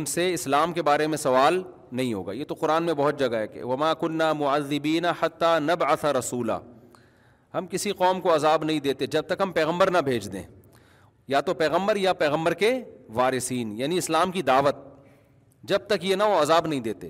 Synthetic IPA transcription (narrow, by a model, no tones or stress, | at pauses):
ʊnseɪslaːmkebaːɾemẽsɐʋaːl | nɐɦĩɦo̰ːɡaːjeːt̪oqʊɾaːnmẽbɐɦʊt̪̚d͡ʒɐɡaɦɛːkḛʋɐmaːkʊnːaːmʊʕaðːɪbiːnaħat̪ːaːnɐbʕaθaɾɐsuːla̰ː | ɦɐmkɪsiqɔːmkoɐzaːbnɐɦĩd̪eːt̪ed͡ʒɐb̚t̪ɐkɦɐmpɛːɣə̃mbəɾnabʱeːd͡ʒd̪ḛ̃ː | jat̪opɛːɣə̃mbəɾjapɛːɣə̃mbəɾkeʋaːɾɪsiːnjaːniɪslaːmkid̪aːʋət̪̚ | d͡ʒɐb̚t̪ɐkjenaʋoɐzaːbnɐɦĩd̪eːt̪ḛː